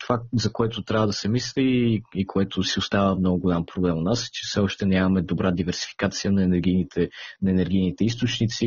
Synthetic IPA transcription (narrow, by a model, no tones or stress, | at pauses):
t̪ovazɐkoɛt̪ot̪ɾʲavəd̪ɐsɛmislʲiikoɛt̪osiʊst̪avəmnɔɡʊɡʊlʲampɾoblɛmonasɛ̥t͡ʃɛ̥fsɛɔʃt̪ɛnʲamɐmɛd̪obɾad̪ivɛɾsi̥fi̥kat̪sijənɐɛnɛɾɡʲinit̪ɛnɐɛnɛɾɡ̟ʲijnit̪ɛist̪ot͡ʃnit̪si